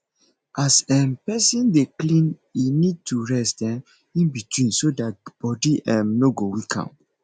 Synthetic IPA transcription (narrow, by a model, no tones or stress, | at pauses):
ʔasɛmpɛsĩndeklĩninid̚tuɹɛsɛ̃m | ĩnbitwĩnsodat̚b̥ɔdiʔɛmnoɡowikʰã̰